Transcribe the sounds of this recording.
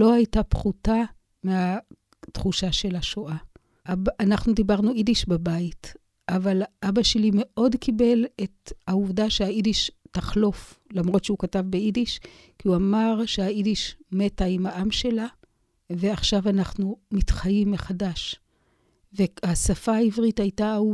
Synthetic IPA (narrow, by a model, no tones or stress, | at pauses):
lo̞ajtapχuta | mea | tχuʃaʃe̞laʃoʔa | ʔabːnaχnudibaʁnuidiʃbabait | ʔavalʔabaʃelime̞ʔo̞dkibe̞le̞thauvdaʃeaidiʃtaχlo̞flamʁo̞tʃeukatavbe̞idiʃ | kiuamaʁʃe̞aidiʃme̞taimaʔamʃe̞la | ve̞aχʃavanaχnumitχajimːeχadaʃ | ve̞asafaːivʁitajtau